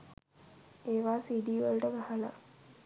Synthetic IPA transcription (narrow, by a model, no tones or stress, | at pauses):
eːʋaːsiːɖiːʋəlʈəɡahəla̰